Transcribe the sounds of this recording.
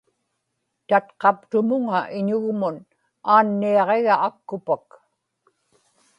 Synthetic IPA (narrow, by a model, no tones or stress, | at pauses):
t̪at̪qɑp̚t̪ʊmʊŋaʔɪɲʊɣmʊn | aːnːiɑʁe̞ɣaːkːʊpak